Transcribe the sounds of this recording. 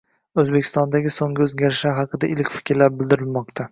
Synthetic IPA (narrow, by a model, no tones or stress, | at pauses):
ɵzbe̞kʲʰːɪst̪ɒnd̪aɡʲɪsoŋɡʲɪɵzɡʲaɾɪʃaɦɑqɨd̪aʔɪlɪkʲfɪ̥kʲɾlaɾbɪld̪ɪɾɪlmɒqt̪ʰa